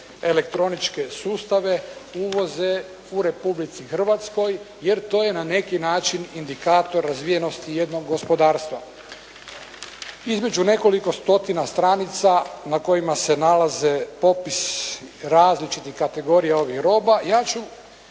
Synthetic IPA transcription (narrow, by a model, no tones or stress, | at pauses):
e̞le̞k̚t̪ɾo̞nit͡ʃke̞suːst̪aʋe̞uʋo̞ze | uɾe̞publit̪sixr̩ʋat̪sko̞j | je̞ɾt̪o̞ːje̞nane̞kinaːt͡ʃinind̪ikaːt̪o̞ɾːazʋije̞no̞st̪ije̞d̪no̞ɡːo̞spo̞d̪aːɾst̪ʋa | izme̞d͡ʒune̞ko̞liko̞st̪o̞t̪inast̪ɾanit̪sanako̞jimase̞nalaze̞po̞pisɾaːzlit͡ʃit̪ixkat̪e̞ɡo̞ɾijao̞ʋixɾo̞ːbajaːt͡ʃu